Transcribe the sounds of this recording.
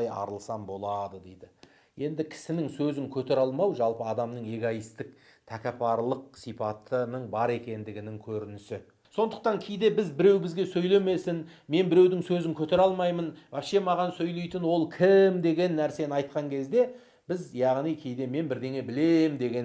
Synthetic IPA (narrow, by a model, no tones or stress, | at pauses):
jɑ̰ɾəlˠsɑmbo̞lˠɑd̪əd̪ejd̪ɪ | je̞nd̪ɪkʲʰɪ̥sɪnɪŋsɵzɪŋkʲʰɵt̪e̞ɾɑlˠmɑwʒɑlˠpəɑd̪ɑmnəɴe̞ɡoijst̪ɪk̚ | t̪ʰækʲɑpʰɑɾlˠəq̚sipʰɑt̪ʰənəɴbɑɾe̞kʲe̞nd̪ɪɡʲɪnɪŋkʲʰɵɾɪnɪsɪ | so̞nd̪əq̚t̪ɑŋkʲʰejd̪e̞bɪzbɪɾe̞wbɪzɡʲe̞sɵjle̞me̞sɪnme̞nbɪɾe̞wd̪ɪŋsɵzɪŋkʲʰɵt̪e̞ɾɑlˠmɑjmənæʃe̞mɑʁɑnsɵjle̞jt̪ɪnwo̞lˠkʲʰɪmd̪e̞ɡʲe̞nːæɾse̞nɑjt̪̚qɑŋkʲʰe̞zd̪e̞ | b̥ɪzjɑʁnijkʲʰe̞jd̪e̞me̞nbɪɾd̪e̞ŋe̞bɪle̞md̪e̞ɡʲen